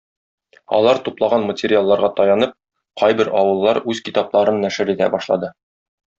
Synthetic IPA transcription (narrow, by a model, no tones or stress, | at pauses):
ɒ̰lˠɑɾt̪uplˠɑʁɑnmətʲɪɾʲɪjalˠːɑɾʁɑt̪ɒjɑnɤp̚ | qʰɒjbɘɾɒwɤ̆lˠːɑɾʉzkit̪ɑplˠɑɾɤnːæʃɘ̆ɾit̪æ̰bɒʃlˠɑ̰d̪ɤ